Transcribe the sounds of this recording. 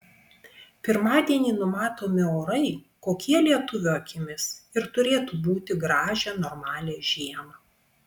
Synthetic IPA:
pʲɪɾmɑːd̪ʲiɛnʲiːnʊmɑːt̪oːmʲɪoːɾɐɪ | koːkʲiɛlʲiɛt̪ʊʋʲʊɐkʲɪmʲɪsɪɾt̪ʊɾʲeːt̪uːbuːt̪ʲɪɡɾɑːʒʲɛnoːɾmɑːlʲeːʒʲiɛmɐ

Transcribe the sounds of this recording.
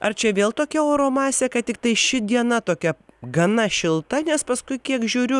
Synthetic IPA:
ɐrt͡ʃʲɛʋʲeːlˠt̪oːkʲɛoːɾoːmɑːsʲeːkɐtʲɪk̚t̪ɐɪʃʲɪd̪ʲiɛnɐt̪oːkʲɛɡɐnɐʃʲɪlˠt̪ɐnʲɛspɐskʊɪkʲiɛkʒʲuːɾʲʊ

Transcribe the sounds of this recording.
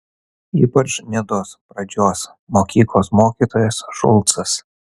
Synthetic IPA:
ḭːpɐt͡ʃnʲɛd̪oːspɾɐd͡ʒʲoːs | moːkʲiːklˠoːsmoːkʲiːt̪oːjɛsʒʊ̰lˠt̪sɐs

